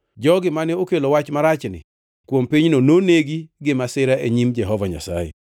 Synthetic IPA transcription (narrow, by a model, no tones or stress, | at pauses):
d͡ʒɔɡɪmanɛokelowat͡ʃmaɾat͡ʃnɪ̰ | kwompiɲnononeɡiɡɪmasɪɾaʔeɲimd͡ʒɛɦɔvaɲa̰sa̰jḛ